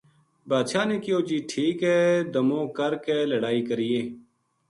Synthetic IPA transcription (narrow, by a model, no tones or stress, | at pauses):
baːd̪ʃaːneːkɪjoːd͡ʒiːʈʰiːkɦɛːd̪əmõːkəɾkeːləɽaːiːkəɾɪeː